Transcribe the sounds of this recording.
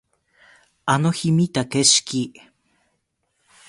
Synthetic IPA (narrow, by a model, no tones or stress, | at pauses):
anohimit̪akeʃki